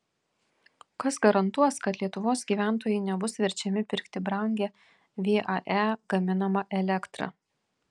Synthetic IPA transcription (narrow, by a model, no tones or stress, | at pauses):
kɐsɡɐɾɐnt̪uɔskɐt̪lʲiɛt̪ʊʋoːsɡʲiːʋʲæˑnt̪̬oːjɛɪnʲɛbʊsʋʲɛɾʲt͡ʃʲɛmʲɪpʲɪɾʲkt̪ʲɪbɾɐŋʲɡʲɛ | ʋʲeːʔɑʔæːɡ̥ɐmʲɪnɐmɐʔɛlʲɛkt̪ɾɐ̰